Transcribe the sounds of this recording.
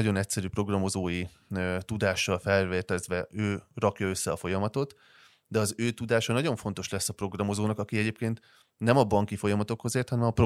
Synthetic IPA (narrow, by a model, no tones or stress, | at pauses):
ɒɟo̞nɛcsɛɾyːpro̞ɡrɒmo̞zoːji | t̪ud̪aːʃːɒlfɛlveːt̪ɛzʋɛøːrɒkjɒø̞sːɛɒfo̞jɒmɒt̪o̞t̪ | d̪ɛɒzøːt̪ud̪aːʃɒnɒɟo̞ɱfo̞n̪t̪o̞ʃlɛsːɒpro̞ɡrɒmo̞zoːnɒkɒkiɛɟeːp̚keːnt̪ | nɛmɒbɒŋkifo̞jɒmɒt̪o̞kho̞zeːrt̪hɒnɛmɒpro